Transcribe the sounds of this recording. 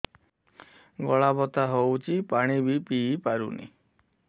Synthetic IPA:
ɡɔɭabɔt̪aɦowt͡ʃʰipaɽ̃ibipipaɾṵnḭ

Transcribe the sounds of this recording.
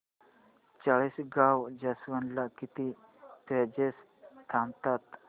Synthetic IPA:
t͡saɭisɡawd͡ʑasʋənlakit̪i | p̪ɛd͡ʑes | t̪ʰamt̪at̪

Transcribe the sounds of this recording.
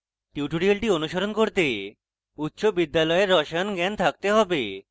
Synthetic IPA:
ʈiʈoɾialʈionuʃoɾonkoɾt̪e | ut̪ːʃobid̪ːalɔeɾːɔʃaonɡɛnt̪ʰak̚t̪eɦɔbe

